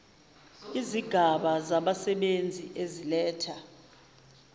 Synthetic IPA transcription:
iziɡ̥ʱaɓazaɓasɛɓend͡zʱiʔezilɛːtʰa

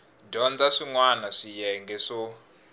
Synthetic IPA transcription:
dɔnd͡zaʂiŋwanaʂijɛŋɡɛʂɔ

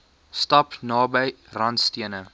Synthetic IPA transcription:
stɐpnɑːbəj | rɐntstiənə

